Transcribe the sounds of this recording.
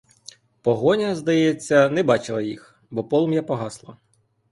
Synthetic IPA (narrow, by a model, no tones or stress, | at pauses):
pɔɦɔnʲɐzd̪ɐjɛt͡sʲːɐnɛbɑt͡ʃɪlˠɐjix | bɔpɔlˠɔmjapɔɦɑslˠɐ